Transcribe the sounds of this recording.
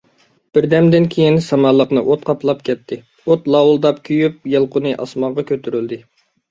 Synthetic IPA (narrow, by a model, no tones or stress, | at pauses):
b̥ɪɾd̪ɛmd̪ɪnkʲʰejinsɑmɑlˠːəqnɨʔot̪̚qʰɑplˠɑpkʲɛt̪ʰːɪ | ot̪lˠɑwʊlˠd̪ɑpkʲʰyjyp̚jɨlˠqʰʊnɨʔɑ̰smɑŋʁɑkʲʰøt̪ʰyɾyld̪ɪ